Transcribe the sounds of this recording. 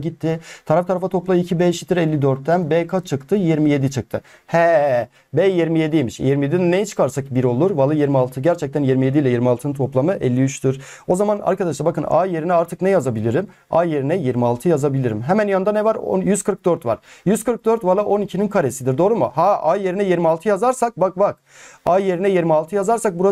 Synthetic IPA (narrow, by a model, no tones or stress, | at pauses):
ɟit̪ʰːɪt̪ʰaɾaft̪ʰaɾafat̪ʰo̞plˠamicʰibɛʃi̥t̪iɾɛlːid̪øɾt̪ːænbɛkʰat͡ʃʰɯkt̪ʰɯjiɾmije̞d̪it͡ʃʰɯk̚t̪ʰɯ | hɛ | bɛjiɾmije̞d̪ijmiʃjiɾmijed̪id̪ɛnejɛt͡ʃʰɯ̥kʰaɾsak̚biɾo̞lˠuɾvalˠːajiɾmialˠt̪ʰɯɟæɾt͡ʃʰɛc̚t̪ʰænjiɾmije̞d̪ilʲɛjiɾmialˠt̪ɯnɯnt̪ʰo̞plˠamɯʔɛlʲːiyt͡ʃt̪ʰyɾ̥ | o̞zamana̰ɾkad̪aʃlˠabakɯna̰ːje̞ɾinɛaɾt̪ʰɯknɛjazabilʲiɾim | aje̞ɾinɛjiɾmialˠt̪ʰɯjazabilʲiɾimɦɛmænjand̪anɛvaɾo̰jyz̥kʰɯɾk̚d̪øɾt̪va̰ɾ̥jyz̥kʰɯɾk̚d̪øɾt̪valˠaʔo̞nicʰininkʰaɾe̞sid̪iɾd̪o̞ːɾumuhaʔaje̞ɾinɛjiɾmialˠt̪ʰɯjazaɾsak̚bak̚bak̚ | aːje̞ɾinɛjiɾmialˠt̪ʰɯjazaɾsak̚buɾa